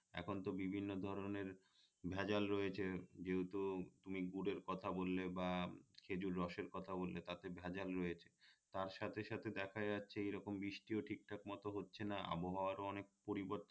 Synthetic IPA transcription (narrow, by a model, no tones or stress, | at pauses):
ɛ̰kʰont̪obibʱinːod̪ʱɔɾoneɾ | bʱɛd͡ʑalɾoet͡ɕʰed͡ʑeɦut̪ut̪umiɡuɖeɾkɔt̪ʰabolːebakʰed͡ʑuɾːɔʃeɾkɔt̪ʰabolːet̪at̪ebʱɛd͡ʑalɾɔjet͡ɕʰe̥t̪aɾʃat̪ʰeʃat̪ʰed̪ɛkʰaatːɕʰeejɾɔkombiʃʈioʈʰik̚ʈʰak̚mɔt̪oɦotːɕʰenaa̰boɦaoaɾoɔnek̚poɾiboɾt̪